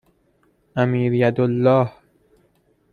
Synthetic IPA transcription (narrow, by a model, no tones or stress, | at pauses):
ʔæmiːɾjæd̪olːɒːh